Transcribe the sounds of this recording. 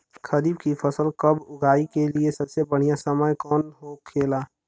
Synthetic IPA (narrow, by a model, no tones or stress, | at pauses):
kʰəɾibkifʰəsəlkəbʊɡʱaːikeliesɐbsebəɽ̤ijasəməjkɔːnɦokʰeːlaː